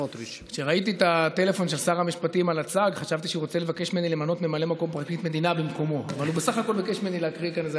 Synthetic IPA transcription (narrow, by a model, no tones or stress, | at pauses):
kʃeʁait̪̬it̪at̪e̞lefo̞nʃe̞lsaʁamiʃpatimalat͡saɡχaʃavt̪iʃeiʁo̞t͡sele̞vake̞ʃmienilemanot̪me̞male̞mako̞mpʁak̚t̪it̪me̞d̪inabimko̞mo̞a̰valubesaχako̞lbikeʃmenileakʁikaneze